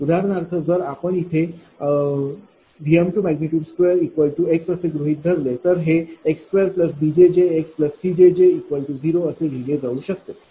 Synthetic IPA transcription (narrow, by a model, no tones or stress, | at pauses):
ud̪ʱaɾnaɾt̪ʰəd͡zəɾapəɳit̪ʰe | ɾijəmʈumæɡniʈjuːɖskʋeəɾikʋəlʈueksəseɡɾuɦiːt̪̚d̪ʱəɾlet̪əɾɦeekskʋeəɾpləsbid͡ʑed͡ʑeekspləssid͡ʑed͡ʑeikʋəlʈud͡ziɾoəseɡʱiɡed͡zauːɕək̚t̪e